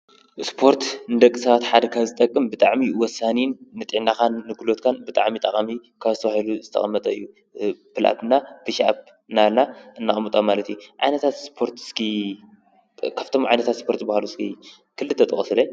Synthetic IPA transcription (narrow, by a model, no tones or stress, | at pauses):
spʰo̞ɾt̪nɨd̪ɐkʼːisɐβat̪ħad̪ɐkʰaβzɨt̪ʼɐkʼːɨmbɨt̪ʼaʕmiwɔsaninːɨt̪ʼɨʕnakanːɨɡulot̪̚kʰanbɨt̪ʼa̰ʕmit̪ʼɐkʼamikʰaβzɨt̪ʰɐβahiluzɨt̪ʰɐ̰χʼɐmːɐt̪ʼɐɨjːu | bʰɨla̰bɨnːat̪ʰɨʃʔab | nalnaɨnːaχʼɐmːɨt̪ʼamːalɐt̪ʰijuʕajnɐt̪ʰat̪spʰo̞ɾt̪ɨski | kʰaβt̪ʰo̞mʕa̰jnɐt̪ʰat̪spʰo̞ɾt̪bahaluskʰi | kʰɨlːɨt̪ʰɐt̪ʼɐ̰χʼɐsle